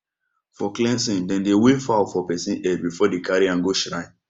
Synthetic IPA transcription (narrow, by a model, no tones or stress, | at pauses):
fɔklɛ̃nsĩndɛ̃ndewefaʊfɔpɛsĩnʔɛd̚bifɔdekaɹiãŋɡoʃɹãɪ̃